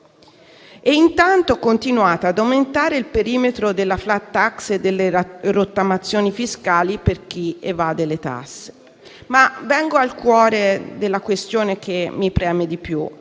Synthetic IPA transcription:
ɛint̪ant̪okont̪inuaːt̪aːd̪awment̪aːɾeilpeɾiːmet̪ɾod̪elːaflat̪ːaksed̪ːelːerot̪ːamat̪sːjoːnifiskaːliperk̟iḛvaːd̪elet̪a̰sːe̥ | mavɛŋɡoalkwɔːɾed̪elːakwest̪joːnek̟emːipɾɛːmed̪ipju

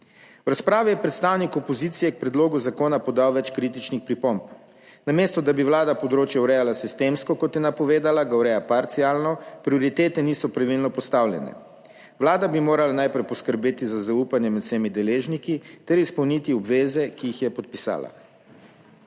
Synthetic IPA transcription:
wɾaspɾaːʋijɛpɾɛt̪st̪aːwnikɔpɔzit̪sijɛk̚pɾɛd̪loːɡuzakoːnapɔd̪awʋɛt͡ʃkɾit̪̬it͡ʃnixpɾipomp | nameːst̪ɔd̪abiwlaːd̪apɔd̪ɾoːt͡ʃjawɾɛːjalasist̪emskɔkɔt̪jɛnapɔʋeːd̪alaɡawɾɛjapaɾt̪sialnɔpɾioɾit̪eːt̪ɛnisɔpɾaʋilnɔpɔst̪awljɛ̰nɛ̰ | ʋlaːd̪abimoːɾalanajpɾɛjpɔskəɾbeːt̪izazauːpanjɛmɛt̪sɛmid̪ɛleːʒnikit̪ɛɾispɐwnit̪iɔbʋeːzɛkiixjɛpɔt̪̚pisa̰ːla̰

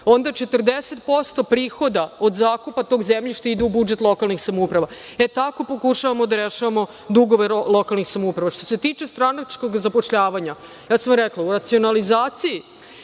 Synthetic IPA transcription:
o̞nd̪at͡ʃet̪rd̪eset̪̚po̞st̪o̞pɾiːxo̞d̪ao̞d̪zaːkupat̪oɡzemʎiʃt̪oid̪ɛubud͡ʒet̪lˠo̞kalˠnixsamoupɾaʋaet̪ako̞po̞kuʃaʋamod̪aɾeʃaʋamo̞ | d̪uɡo̞ʋelˠokalnixsamoupɾaʋaʃt̪ose̞t̪iːt͡ʃe̞st̪ɾanat͡ʃko̞ɡzapo̞ʃʎaːʋaɲa | jaːsamɾɛklˠauɾat̪sio̞nalizaːt̪siji

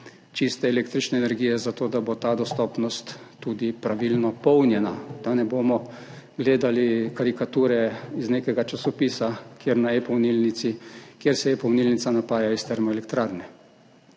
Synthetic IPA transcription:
t͡ʃist̪ɛːleːk̚t̪ɾit͡ʃnɛːnɛɾɡijɛzat̪oːd̪abot̪aːd̪ɔst̪ɔːpnɔst̪ːud̪ipɾaʋilnɔpɔwnjɛnad̪̥anɛboːmɔ | ɡleːd̪alikaɾikat̪uːɾɛizneːkɛɡat͡ʃasɔpiːsakjeːɾnaepɔwnilnit̪sikjeɾsɛepɔwnilnit̪sanapaːjaist̪ɛɾmɔɛlɛkt̪ɾaːɾnɛ

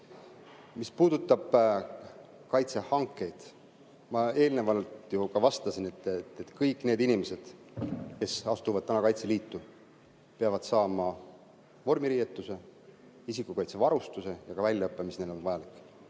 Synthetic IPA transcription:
mispuːd̪̥ut̪ːˑɑb̥ | kɑjt̪se̞hɑŋkˑːe̞jd̪̥ | mɑe̞ːlnevɑlt̪jukɑvɑst̪ɑsinet̪ːˑt̪ːet̪ˑkɤjkːˑne̞ːd̪inʲimese̞d̪̥ke̞sɑst̪uvɑd̪̚t̪ænɑkɑjt̪se̞liːt̪ːu | peɑvɑd̪sɑːmɑ | vo̞rmiɾijet̪ːˑuse̞ | isikukɑjt̪se̞vɑɾust̪use̞jɑkɑvælʲːjɑɤpːˑemisne̞d̪o̞nvɑjɑlikːˑ

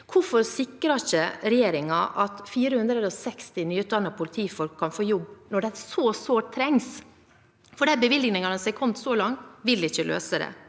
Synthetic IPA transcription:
kʰʊɾfɔɾsɪkːɾɑçəɾɛjeːɾɪŋɑʔɑt̪fiːɾəhʉnd̪ɾəd̪ɔsɛkst̪ɪnyːʉt̪̚d̪ɑnːɑpʰʊlɪt̪ʰiːfɔlkʰːɑnfoːjɔbːnɔɖɛæsɔsʋoːʈ̚t̪ʰːɾɛŋs | fɔɖɛbəʋɪlɡnɪŋɑnəsɛɪkʰɔmt̪sɔlɑŋt̪ʋɪlɪɪçːəlʔø̰ːsəd̪ɛ̰

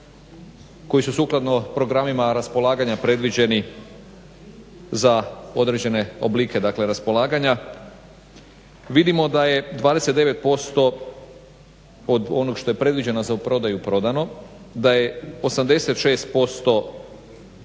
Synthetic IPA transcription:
ko̞jisusuːklˠad̪no̞pɾo̞ɡɾamimaɾaspo̞lˠaːɡaɲapɾe̞d̪ʋid͡ʑe̞ni | zao̞d̪ɾe̞d͡ʑe̞ne̞o̞̰blike̞d̪akleɾaspo̞lˠaːɡaɲa | ʋid̪imo̞d̪aje̞d̪ʋaːd̪ese̞t̪d̪e̞ʋe̞t̪̚po̞st̪o̞ | od̪o̞no̞ɡʃt̪o̞je̞pɾe̞d̪ʋid͡ʑe̞nozapɾo̞d̪ajupɾo̞d̪ano̞ | d̪aje̞o̞samd̪e̞se̞t̪ʃe̞ːst̪̚po̞st̪o̞

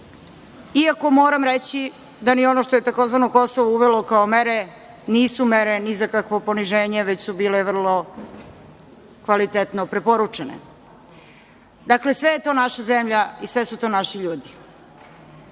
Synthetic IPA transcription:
iako̞moːɾamɾet͡ɕi | d̪anio̞noʃt̪oje̞t̪ako̞zʋanoko̞soʋouʋelokaomeɾe | niːsumeɾenizakakʋo̞po̞niʒeːɲeʋet͡ɕsubiːleʋr̩lˠo̞ | kʋalit̪et̪nopɾepoɾut͡ʂenḛ | d̪akle̞sʋejet̪o̞ːnaʃazemʎaisʋesut̪o̞ːnaʃiʎuːd̪i

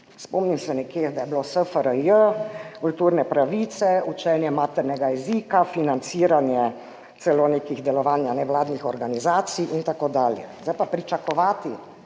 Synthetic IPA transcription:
spɔmnimsɛnɛkjed̪ajɛblosəfəɾəjəkult̪uːɾnɛpɾaʋit̪sɛut͡ʃɛnjɛmaːt̪ɛɾnɛɡajɛzikafinant̪siːɾanjɛ | t̪sɛloneːkiɣd̪ɛlɔʋaːnjanɛʋlaːd̪nixɔɾɡanizaːt̪siʔint̪akoːd̪aːljɛ̰zd̪ajpapɾit͡ʃakɔʋaːt̪i

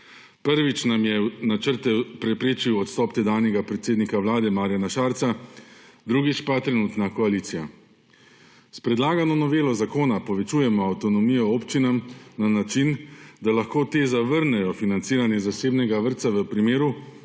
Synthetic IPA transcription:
pəɾʋit͡ʃnamjɛnat͡ʃəɾt̪ɛpɾɛpɾeːt͡ʃiwɔt̪st̪ɔːpt̪ɛd̪aːwnjɛɡapɾɛt̪seːd̪nikawlaːd̪ɛmaːɾjanaʃaːɾt̪sa | d̪ɾuːɡit͡ʃpat̪ɾɛnuːt̪nakɔaliːt̪sija | spɾɛd̪laːɡanɔnɔʋeːlɔzakoːnapɔʋɛt͡ʃuːjɛmɔawt̪ɔnɔmiːjɔoːpt͡ʃinamnanat͡ʃind̪alaxkoːt̪eːzaʋəɾnɛjɔfinant̪siːɾanjɛzaseːbnɛɡaʋəɾt̪saʋəpɾimeːɾu

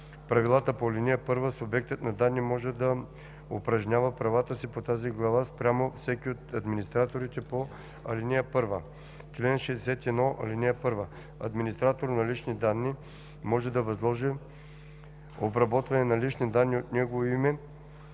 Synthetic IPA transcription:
pɾɐvilˠat̪əpoɐlʲiniəpɤɾvəsʊbɛk̚t̪ət̪nɐd̪anːimɔʒɛd̪ɐ | opɾɐʒɲʲavəpɾɐvat̪əsipot̪aziɡlˠɐvaspɾʲamofsɛkiot̪ɐd̪minist̪ɾat̪oɾit̪ɛpo | ɐ̰linijəpɤɾvə | t͡ʃlɛnʃɛd̪ɛsɛt̪ɛd̪nɔʔɐ̰liniəpɤɾvə | ɐ̰d̪minist̪ɾat̪oɾnɐlit͡ʃnid̪anːi | mɔʒɛd̪ɐvɐzlˠɔʒɛ | obɾɐbɔt̪vɐnɛnɐlit͡ʃnid̪anːiot̪nɛɡovoimɛ

